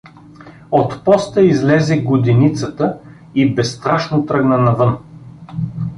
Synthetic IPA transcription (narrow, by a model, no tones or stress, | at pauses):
ot̪pɔst̪əizlɛzɛɡod̪init̪sət̪ə | ibɛst̪ɾaʃnot̪ɾəɡnənɐvɤn